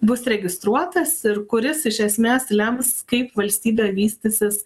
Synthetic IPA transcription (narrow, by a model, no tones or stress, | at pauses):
bʊsɾʲɛɡʲɪst̪ɾuɔt̪ɐsɪɾkʊɾʲɪsɪʃʲɛsʲmʲeːslʲɛmskɐɪpʋɐlʲsʲt̪ʲiːbʲeːʋʲiːsʲt̪ʲɪsʲɪs